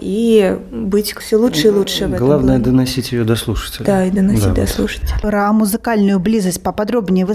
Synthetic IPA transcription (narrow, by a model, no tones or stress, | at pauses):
ibɨt͡sʲfsʲɔlˠutʂɨilˠutʂɨjvɛɡlˠavnəjəd̪ɐnasʲitʲjɪjod̪ɐslˠuʂə̥tʲɪlʲd̪aid̪ɐnɐsd̪ʲit̪̚ʲd̪ɐslˠuʂə̥tʲɪlʲɾɐmuzɨkalʲnʊjʊblʲizɐsʲtʲpɐpad̪ɾɔbnʲɪjvɨ